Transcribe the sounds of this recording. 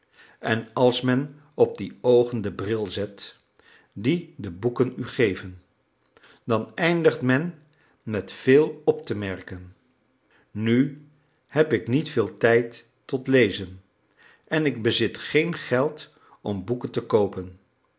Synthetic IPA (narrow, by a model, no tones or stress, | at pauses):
ɛnɑlˠsmɛn | ɔb̚diowχəndəbrɪlˠzɛt | didəbukənyχejvən | dɑnɛjndəχtmɛn | mɛtfeːlˠɔp̚təmɛɹkən | y | hɛpɪknitfɪːlˠtɛjtː | ɔtlejzən | ʔɛnɪɡ̚bəzɪtχejnχɛlˠt | ɔmbukəntəkowpən